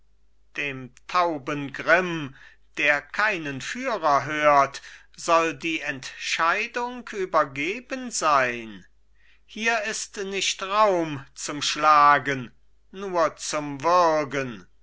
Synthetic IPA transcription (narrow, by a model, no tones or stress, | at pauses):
d̥eːmtʰaʊbənɡʁɪm | d̥eːɐkʰaɪnənfyːʁɐɦøːɐt | z̥ɔldiːɛntʃaɪdʊŋkʰyːbɐɡeːbənzaɪn | hiːɐɪstnɪʃtʁaʊmt͡sʊmʃlaːɡənː | uːɐt͡sʊmvɪɐɡən